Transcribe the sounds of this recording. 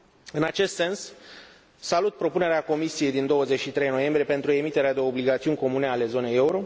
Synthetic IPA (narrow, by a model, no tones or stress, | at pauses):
ɨnat͡ʃe̞st̪se̞nsː | alut̪̚pɾo̞pune̞ɾeako̞misije̞jd̪ind̪o̞wəze̞t͡ʃʃit̪ɾe̞jno̞je̞mbɾije̞pe̞nt̪ɾue̞mit̪e̞ɾead̪e̞o̞bliɡat̪siunʲko̞mune̞ale̞zo̞ne̞je̞uɾo̞